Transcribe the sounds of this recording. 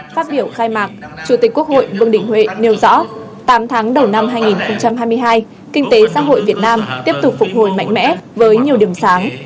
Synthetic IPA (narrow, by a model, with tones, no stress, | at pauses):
faː˦˥t̚ɓi˧˩əwxaː˧jmaː˨˩k̚t͡ɕu˧˩t̪i˨˩k̟̚ku˦˥ək̚ho̰˧˨jvɨ˧əŋɗï˧˩ŋ̟hwḛ˧˨ne˨˧wzɔ̰˧˥ | t̪aː˨˦mt̪ʰaː˨˦ŋɗə˨˩wna˧mɦaː˧jŋi˨˩nxə˧wŋ͡mt͡ɕa˧mɦaː˧jmɨ˧əjɦaː˧j | kï˧ŋ̟t̪e˨˦sa̰ː˧˥ɦo̰˧˨jvi˨˩ət̚naː˧mt̪i˦˥əp̚t̪ʊ˨˩k͡p̚fʊ˨˩k͡p̚ho˧˩jma̰˧˨jŋ̟mɛ̰˧˥vəː˨˦jɲi˨˩əwɗi˨˩əmsaː˨˦ŋ